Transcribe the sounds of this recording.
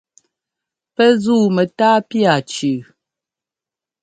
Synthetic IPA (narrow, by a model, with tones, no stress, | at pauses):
pɛ˦zuː˦˨mɛ˨ta˦pja˨t͡ʃʉ˨